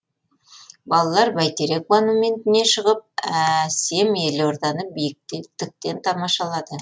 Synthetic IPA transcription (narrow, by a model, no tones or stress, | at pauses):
bɑlˠɑlˠɑɾbæjt̪eɾe̞kvanomʲe̞nt̪ɪne̞ʃəʁəp̚æse̞me̞loɾd̪ɑnəbijɪk̚t̪t̪ɪk̚t̪e̞nt̪ʰɑmɑʃɑlˠɑd̪ə